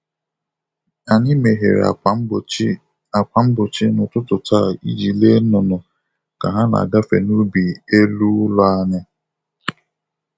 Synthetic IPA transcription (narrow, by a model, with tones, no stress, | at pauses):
a˨ɲɪ˦me˨ɦḛ˨ɾ̰a̰˨˦˨ | a˨kʷa˨m̩˦bʊ˨t͡ʃɪ˦nʊ˨tʊ˦tʊ˨ta˦˨i˦d͡ʒi˨le˦nʊ˨nɔ˨ | ka˨ɦa˦na̰˨ɡa˦fḛ˨nu˦bi˨e˦lu˦lɔ˦a˦ɲɪ˦